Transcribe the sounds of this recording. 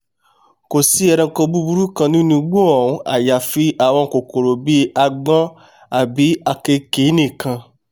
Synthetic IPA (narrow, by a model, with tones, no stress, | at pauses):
ko˨si˦ɛ˧ɾɛ̃˧ŋ̩˧kɔ˧bu˦bu˦ɾu˦kã˧nĩ˦nũ˧ɡ͡bo˦ɔ˨ũ˨˦a̰˨ja˨fi˦ʔa˨w̃ɔ̃˧˨ko˨ko˨ɾo˨bi˦a˧ɡ͡bɔ̃˦ | a˨bi˨˦a˧ke˧ke˨˦nĩ˦˨kã˧